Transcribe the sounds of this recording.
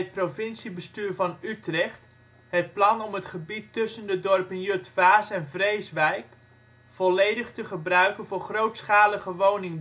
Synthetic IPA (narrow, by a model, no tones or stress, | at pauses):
t̚provɪnsibəstyːɹvɑnytrɛχt | ɦət̚plɑnɔmɦətχəbitːɵsəndədɔrpənjøtfaːsɛnvrejsʋɛjk | fɔlejdəχtəχəbrœɥkənvʊːrχrowtsχaːləχəʋownɪŋ